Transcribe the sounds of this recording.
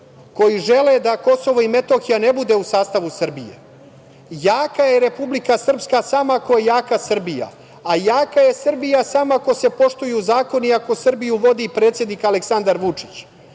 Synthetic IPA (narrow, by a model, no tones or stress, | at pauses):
ko̞jiʒe̞led̪ako̞so̞ʋoime̞t̪o̞xijanebud̪e̞usaːst̪aʋusr̩bijḛ | jaːkajeɾe̞publikasr̩pskasamako̞jejaːkasr̩bija̰ | ajaːkaje̞sr̩bijasamaako̞se̞po̞ʃt̪ujuzaːko̞niako̞sr̩bijuʋo̞d̪ipɾet̪sjed̪nikaleksand̪aɾʋut͡ʂi̥t͡ɕ